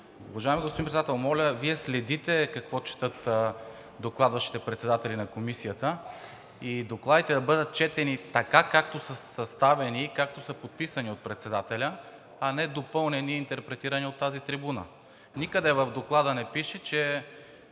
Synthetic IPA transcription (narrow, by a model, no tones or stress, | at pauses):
ṵvɐʒaɛmiɡospod̪ĩpɾt̪at̪ɛlˠmɔlʲəviɛslɛd̪it̪ɛkɐkvɔt͡ʃɛ̥t̪ɤt̪ | d̪oklˠad̪vɐʃi̥t̪ɛpɾɛt̪sɛd̪at̪ɛlinɐkomisijət̪ə | id̪oklˠad̪it̪ɛd̪ɐbɤd̪ət̪̚t͡ʃɛt̪ɛnit̪ɐkakakt̪osəsɐst̪avɛnikak̚t̪osəpot̪̚pisɐniot̪̚pɾɛt̪sɛd̪at̪ɛlʲə | ɐnɛd̪opɤlˠnɛniːnt̪ɛɾpɾɛt̪iɾɐniot̪ːazit̪ɾibunə̰ | nikəd̪ɛvɐvd̪oklˠad̪ənɛpiʃɛt͡ʃɛ